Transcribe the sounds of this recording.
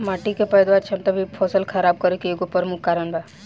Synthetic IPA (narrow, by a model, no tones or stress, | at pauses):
maːʈikepəjd̪ʋaɾt͡ʃʰeɐmt̪obʱipʰɔsəlkʰəɾaːb̚kəɾjokieɡupəɾmukːaɾəɳbʱa